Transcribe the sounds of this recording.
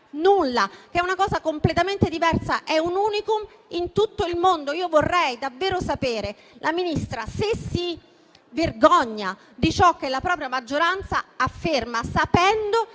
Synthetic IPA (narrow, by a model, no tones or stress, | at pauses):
nulːak̟ɛunakɔːzakomplet̪ament̪ed̪ivɛrsaʔɛunuːnikum | int̪ut̪ːoilmond̪oiːovorːɛjd̪avːeːɾosapeːɾe | lʔaminist̪ɾasesːi | verɡɔɲːa | d̪it͡ʃɔk̟ːelapɾɔːpɾjamad͡ʒːoɾant̪saːfːermasapɛnd̪o